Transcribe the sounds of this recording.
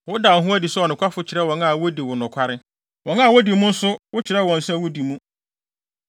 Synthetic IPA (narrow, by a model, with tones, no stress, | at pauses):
wʊ˦da˨ɦũ˦æ˦di˨sʊ˦ɔ˨nʊ̃˨kʰʷa˦fʊ˦t͡ɕʰɪ˨ɾɛ˦wɔ̃˨na˨wo˦di˨wʊ˨nʊ̃˨kʷʰa˦ɾɪ˦ | wɔ̃˨nã˨wɔ˦di˨˦mũ˦n̩˦sʊ˦wʊ˦t͡ɕʰɪ˨ɾɛ˦wɔ̃˨n̩˨sɛ˦˨wʊ˦di˨mũ˦